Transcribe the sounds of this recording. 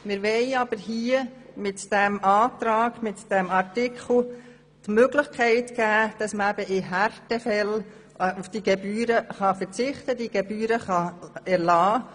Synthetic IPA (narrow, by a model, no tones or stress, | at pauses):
mɪɾʋɛɪɑb̥əɾɦiəmɪtd̥ɛmɑːt̪ɾɑːɡ̥mɪtd̥ɛmɑɾtɪkʰl̩ | tmøɡlɪχkʰæɪtɡ̥æːd̥ɑsməæbəʔɪɦærtɛfɛl | ufd̥iɡebyːɾəχɑfəɾt͡sɪχtəd̥iɡ̥ɛbyːɾəχɑɛɾlɑː